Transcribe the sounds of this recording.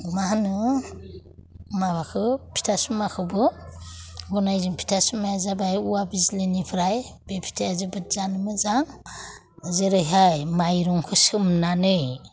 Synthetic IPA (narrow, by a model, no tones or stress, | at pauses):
maɦanɯ | maβakʰɯpʰi̥tʰasɯmakʰɯbɯ | ɡunajzɯŋpʰi̥tʰasɯmajzabajuwabizilenipʰɯɾaj | b̥epʰi̥tʰajazɯbɯt̚zanɯmɯzaŋ | zɯɾɯjɦajmajɾɔŋkʰɯsɯmnanɯj